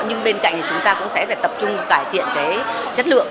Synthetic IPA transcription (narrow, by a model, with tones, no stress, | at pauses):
ɲɨ˧ŋɓe˧nka̰˧˨ŋt̪i˨˩t͡ɕʊ˨˦ŋ͡mt̪aː˧kʊ̰˧˥ŋ͡msɛ̰˧˥faː˨˩jt̪ə˨˩p̚t͡ɕʊ˧ŋ͡mkaː˧˩jt̪ʰḭ˧˨ənt̪e˨˦ | t͡ɕə˦˥t̚lɨ̰˧˨əŋ